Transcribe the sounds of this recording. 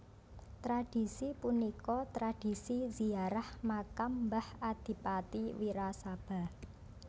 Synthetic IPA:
t̪ɾaɖ̥i̤sipunikɔt̪ɾad̥i̤siziaɾahmakambahad̪̥i̤pat̪iwiɾasab̥a̤

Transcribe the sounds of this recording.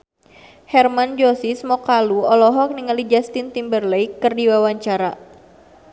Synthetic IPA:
hɛrmand͡ʒɔsismɔkaluɔlɔɦɔk̚niŋalid͡ʒast̪int̪imbərlɛjkɨrdiwawaɲt͡ʃaɾa

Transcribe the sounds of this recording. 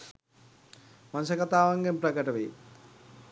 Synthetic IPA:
manusəkat̪aːʋaŋɡempɾɐɡəʈəʋeː

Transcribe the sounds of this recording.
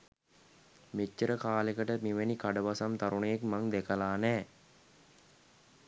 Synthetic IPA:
met͡ʃːəɾəkaːlekəʈəmiʋenikaɖəʋasamt̪aɾuɳejekmaŋd̪ekəlaːnɛː

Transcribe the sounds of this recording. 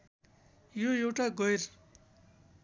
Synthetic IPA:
jojewʈaɡʌjr

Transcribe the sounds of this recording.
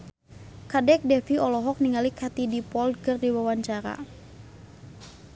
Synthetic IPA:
kadɛk̚dɛfiɔlɔɦɔk̚niŋalikʰat̪idipɔlkɨrdiwawaɲt͡ʃaɾa̰

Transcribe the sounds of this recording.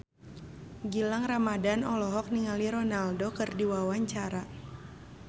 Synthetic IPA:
ɡilaŋramadanɔlɔɦɔk̚niŋaliɾɔnaldokɨrdiwawaɲt͡ʃaɾa

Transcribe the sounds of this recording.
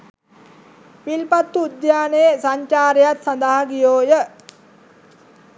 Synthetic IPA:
pilpat̪ːuːd̪jaːneesaɲt͡ʃaːɾejat̪sand̪əɦaɡijoːjə

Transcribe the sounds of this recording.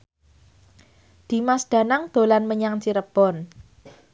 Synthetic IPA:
d̪̥i̤masd̪̥ä̤naŋd̪̥o̤lanməɲaŋt͡ʃiɾəb̥ɔn

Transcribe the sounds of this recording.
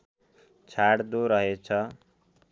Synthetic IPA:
t͡sʰaɽd̪oɾʌɦet͡sʰʌ

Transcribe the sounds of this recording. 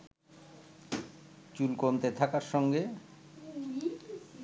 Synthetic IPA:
t͡ɕulkont̪et̪ʰakaɾʃɔŋɡe

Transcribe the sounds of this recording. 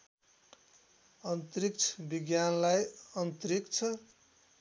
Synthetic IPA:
ʌnt̪ɾik̚t͡sʰʌ̥biɡjanlajʌnt̪ɾikt͡sʰʌ

